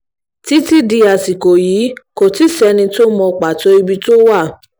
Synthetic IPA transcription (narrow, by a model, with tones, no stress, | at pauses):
ti˦ti˦di˧a˨si˨ko˨jiː˨˦ko˨ti˦sɛ˧nĩ˧to˦mɔ̃˧k͡pa˨to˦i˧bi˦to˦wa˦˨